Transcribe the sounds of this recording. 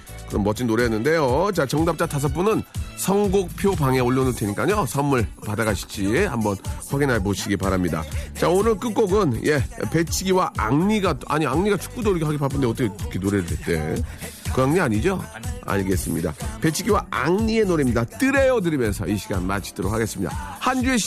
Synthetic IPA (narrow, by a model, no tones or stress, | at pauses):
kɯɾʌmːʌt͡ɕ͈ʰinːoɾeʌnːɯnde̞jot͡ɕat͡ɕʌŋdap̚t͡ɕ͈atʰas̬ʰʌp͈unɯnsʰʌŋɡok̚pʰjobaŋe̞oɭːonɯɭtʰweɲik͈aɲosʰʌmɯɭpadaɡaɕʰi̥t͡ɕ͈ihambʌnɸwaɡinɦaɭpoɕʰiɡipaɾamɲida̰t͡ɕaonɯɭk͈ɯk͈oɡɯnjʔe̞pe̞t͡ɕʰiɡiwaʔa̰ŋɲiɡaa̰ɲiaŋɲiɡat͡ɕʰu̥k̚k͈udoɭɡoɦaɡepap͈ʰɯndeʌt̬͈ʰʌkʰkʰenoɾeɾɯet͈e̞̰kɯaŋɲiaɲid͡ʑoa̰ɲiɡe̞s͈ɯmɲḭda̰pe̞t͡ɕʰiɡiwaaŋɲie̞noɾemɲidat͈ɯɾe̞jʌd̬ɯɾimjʌnsʰʌ̰iɕʰiɡanmat͡ɕʰi̥t͈ʰɯɾo̰khʰaɡe̞s͈ɯmɲida̰hand͡ʑueɕ